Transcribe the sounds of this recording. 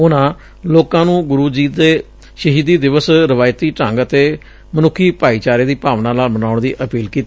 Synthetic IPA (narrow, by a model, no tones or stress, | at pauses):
ʊnãː | loːkãːnũːɡʊɾuːd͡ʒiːeː | ʃəɦiːd̪iːd̪ɪʋəsɾəʋaːjt̪iːʈə̃ŋɡət̪eː | mənʊkʰːiːpaːiːt͡ʃaːɾeːd̪iːpaːʋnãːlaːlbənaːʊɳd̪iːʔəpiːlkiːt̪ː